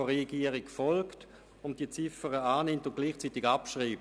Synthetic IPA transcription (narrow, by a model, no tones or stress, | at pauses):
ʁɛɡiəʁɪkfɔlkt | ʊnt̚d̥iːət͡sɪfəʁəaːnɪmtʊntɡ̥liːχt͡siːtɪɡapʃʁiːp̚